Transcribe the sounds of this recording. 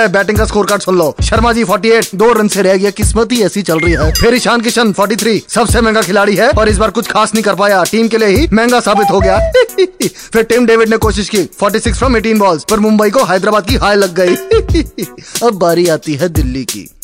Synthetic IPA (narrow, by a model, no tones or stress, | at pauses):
ɛbɛːʈɪ̃ŋkaskoːɾkaːɾɖsʊ̃nlloːʃɐɾmad͡ʒiːfʰɔːɾʈieːʈ̚d̪oːɾɐ̃nseɾɛɦɡɐekɪsmət̪ɦiɛːsit͡ʃɐlɾɐɦiɦɛːpʰeɾiʃaːnk̬ɪʃənfʰɔːɾʈit̪ʰɾiːsɐbsemɛ̃ːŋɡakʰɪlaːɽiɦɛɔːɾɪs̬baːɾkʊt͡ʃʰkʰaːsnəɦĩkɐɾpaːjaʈiːmkelijeɦimɛ̃ːŋɡasaːbɪt̪ɦoɡɐjaː | fʰɪɾʈɪmɖeːʋɪɖnekoːʃ̬ɪʃkiːfʰɔːɾʈisɪksfɾɐmːeːʈĩːnbɔːlzpɐɾmʊ̃mbəikoɦaːd̪ɾaːbaːd̪̚kiɦaːjlɐɡːɐiː | ɐbːaːɾiaːt̪iɦɛd̪ɪlːikḭː